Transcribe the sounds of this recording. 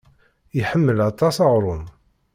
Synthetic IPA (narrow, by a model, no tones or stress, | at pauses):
iħəmːəlɑt̪ˤɑsɑʁɾˤʊn